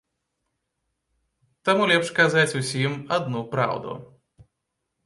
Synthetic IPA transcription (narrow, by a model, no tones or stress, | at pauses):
t̪amulʲɛpʂkazat͡sʲusʲimad̪nupɾa̰wd̪ṵ